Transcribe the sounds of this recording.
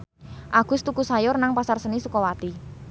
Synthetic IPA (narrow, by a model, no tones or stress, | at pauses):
ʔaɡ̥ʊ̤st̪ukusajʊrnaŋpasarsənisukɔwat̪i